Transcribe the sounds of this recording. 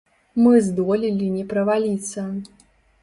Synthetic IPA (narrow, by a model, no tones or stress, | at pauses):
mɨzd̪ɔlʲilʲinʲɛpɾɐvalʲit̪sːɐ